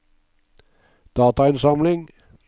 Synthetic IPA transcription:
d̪̥ɑːt̪ɑɪnsɑmlɪŋ

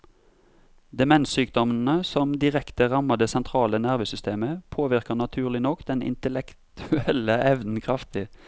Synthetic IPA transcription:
d̪ɛmɛnsyːkd̪ɔmn̩əsɔmd̪ɪʁɛkt̪əʁɑməd̪eːsɛnt̪ʰʁɑːlənæʁʋəːsʏst̪eːməpʰoːʋɪʁkənɑt̪ʰʉːʁlɪnɔkd̪ɛnɪ̰nt̪əlɛkt̪ʰʉɛləʔɛʋnn̩kʰʁɑft̪ɪ

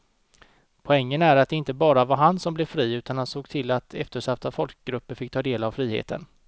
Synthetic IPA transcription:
pʰɔɛŋːənæɾat̪̚d̪ɛɪnt̪əbɑːɾavaɾɦansɔmblɛvfɾiːʉ̟ːt̪anhansoːɡt̪ʰɪlːat̪ʰɛ̰ft̪əʂaft̪afɔlk̚ɡɾɵpːəɾfɪkt̪ʰɑːd̪eːlavfɾiːhḛːt̪ʰə̰n

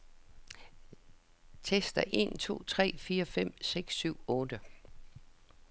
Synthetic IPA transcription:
t͡sʰesd̥ɐʔe̝̰nt͡sʰo̝̰ːt͡sʰʁɛ̰ːfiːɐfem̰seɡ̥sːyʊ̰ɔ̽ːd̥ə

